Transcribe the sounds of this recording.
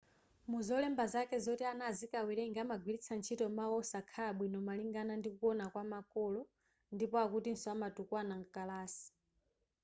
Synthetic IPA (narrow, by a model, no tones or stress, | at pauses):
muzɔlɛmbazakɛzɔtianazikawiɾɛŋɡamaɡwilit͡sʰant͡ʃʰitɔmaɔsakʰaɓwinɔmaliŋɡanandikukɔnakwamakɔlɔ | ndipɔakutinsɔamatukwanaŋkalaːsi̥